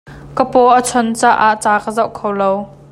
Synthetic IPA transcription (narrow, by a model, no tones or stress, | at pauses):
kəpɔʔət͡sʰɔnt͡saːʔaʔt͡saːkəzɐwʔkʰowlow